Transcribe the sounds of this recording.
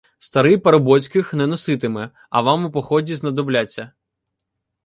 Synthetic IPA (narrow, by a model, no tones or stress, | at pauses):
st̪ɐɾɪjpɐɾɐbɔt͡sʲkɪxnɛnɔsɪt̪ɪmɛ | ɐ̰ʋɑmɪpɔxɔdʲiznɐd̪ɔblʲat͡sʲːɐ